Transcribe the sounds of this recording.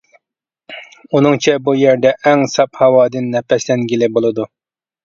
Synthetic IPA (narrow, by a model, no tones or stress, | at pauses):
unɨŋt͡ʃʰɛbujɛɾd̪ɛʔæŋsɑphɑwɑːd̪ɨnːɛpɛslɛnɡʲilɪbolˠɨd̪u